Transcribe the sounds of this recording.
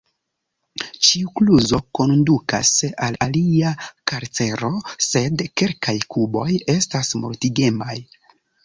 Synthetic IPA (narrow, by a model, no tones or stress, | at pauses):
t͡ʃiukluzo̞ko̞nduka̰salaliakaɾt͡se̞ɾo̞se̞dke̞lkajkʰubo̞je̞stasmo̰ɾtiɡe̞maj